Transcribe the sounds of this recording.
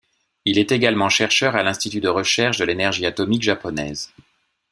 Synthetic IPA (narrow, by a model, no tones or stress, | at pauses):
ilɛt̪eɡalmɑ̃ʃɛʁʃœʁalɛ̃st̪it̪yd̪əʁəʃɛʁʃd̪əlenɛʁʒiat̪ɔmikʒapɔnɛ̰ːz